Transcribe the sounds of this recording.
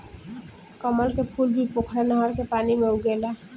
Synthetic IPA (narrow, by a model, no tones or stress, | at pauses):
kəməlkepʰuːlbʱipokʰɾenəɦəɾkepaːnimeuɡela